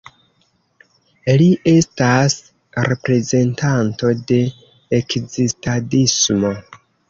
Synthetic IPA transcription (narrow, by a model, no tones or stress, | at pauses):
liʔe̞stas | ɾe̞pɾe̞ze̞ntanto̞de̞ː | kzistadismo̞